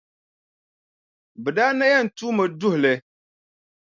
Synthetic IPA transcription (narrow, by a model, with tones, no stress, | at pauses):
bɨ˨daː˦na˦ja˦n̩˨tuː˦mɨ˨dʊ˦hʊ˨lɨ˨